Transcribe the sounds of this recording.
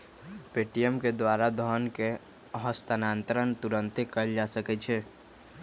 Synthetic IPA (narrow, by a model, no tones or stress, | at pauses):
peʈijəmked̪waːɾad̪ʱɔnke | ɦəst̪anaːnt̪əɾənt̪uɾənt̪ekəld͡ʒasəkɛt͡ʃʰɛ